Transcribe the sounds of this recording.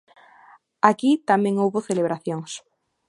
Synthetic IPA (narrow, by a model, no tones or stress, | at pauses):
akit̪amẽŋowβoθeleβɾaθjoŋs